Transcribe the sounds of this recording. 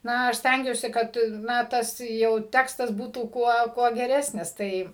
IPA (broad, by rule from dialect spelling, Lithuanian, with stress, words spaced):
ˈnɐ ɐʃ ˈsʲtʲæŋʲɡʲuɔsʲɪ ˈkɐt ˈnɐ ˈtɐs jɛʊ ˈtʲæːkstɐs ˈbuːtuː ˈkuɔ ˈkuɔ ɡʲɛˈrʲæːsʲnʲɪs ˈtɐɪ